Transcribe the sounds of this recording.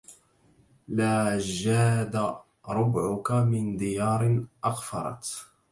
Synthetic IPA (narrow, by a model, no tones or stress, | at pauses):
laːd͡ʒaːd̪a | ɾˤʊbʕʊkamɪnd̪ɪjɑːɾˤɪnʔɑɣfɑ̰ɾˤɑ̰t̪